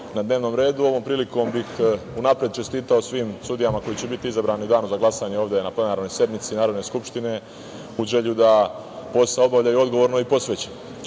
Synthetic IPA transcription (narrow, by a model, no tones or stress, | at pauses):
nad̪ne̞ːʋno̞mɾe̞ːd̪uo̞ʋo̞ːmpɾiːliko̞mbixunapɾied̪̚t͡ʃe̞st̪iːt̪aosʋiːmsud̪ijamako̞jit͡ɕebit̪iizabɾaːniud̪aːnuzaɡlˠasaɲeoːʋd̪e̞naple̞naːɾno̞jsje̞d̪mit̪sinaːɾo̞d̪ne̞skupʃt̪ine̞ | uʒe̞ʎud̪a | po̞saobaʋʎajuo̞d̪ɡo̞ʋo̞ɾno̞ipo̞sʋet͡ɕen